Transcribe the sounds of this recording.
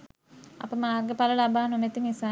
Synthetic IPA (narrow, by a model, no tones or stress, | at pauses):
a̰pəmaːrɡəpaləlabaːnomet̪imisa